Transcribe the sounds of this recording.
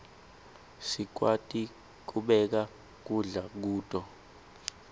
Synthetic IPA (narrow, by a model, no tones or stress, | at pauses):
sik̬watʼi | k̬uɓɛk̬a | k̬uɮak̬uːtʼɔ